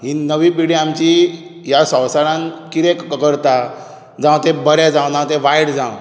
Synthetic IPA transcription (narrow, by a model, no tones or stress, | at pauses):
ɦinəʋĩpiɽiamt͡ɕi | jasə̃wsaɽãnkiɾekkəɾt̪a | d͡zãwt̪ebəɾɛ̃d͡zãwd͡zãʋt̪ẽʋajɽd͡zãw